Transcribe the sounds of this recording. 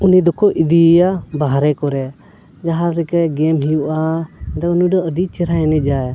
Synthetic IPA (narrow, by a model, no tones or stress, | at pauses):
unid̪ɔkʰɔʔid̪ijabaɦɾɛkɔɾɛ | d͡ʒaɦaɾɾɛkaɡɛmɦijuʔad̪auniɖɔʔəɖit͡ʃɛɾaɛnɛd͡ʒaj